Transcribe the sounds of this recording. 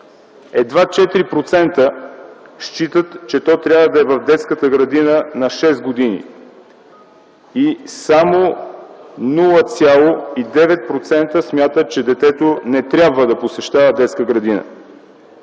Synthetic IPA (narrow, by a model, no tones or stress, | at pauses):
ɛd̪vat͡ʃɛt̪iɾipɾot̪sɛnt̪ə | ʃt͡ʃit̪ət̪t͡ʃɛt̪ɔt̪ɾʲjabvəd̪ɐɛvɐvd̪ɛt̪skət̪əɡɾɐd̪inənɐʃɛsɡod̪inḭ | isamo | nulˠət̪sʲjalˠoid̪ɛvɛt̪̚pɾot̪sɛnt̪əsmʲjat̪ət͡ʃɛd̪ɛt̪ɛt̪onɛt̪ɾʲabvəd̪ɐposɛʃt̪avəd̪ɛt̪skəɡɾɐd̪inə̰